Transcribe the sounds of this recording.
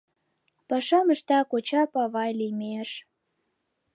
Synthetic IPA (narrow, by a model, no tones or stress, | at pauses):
pɑʃɑməʃt̪ɑkot͡ɕɑpɑβɑjlimʲeʃ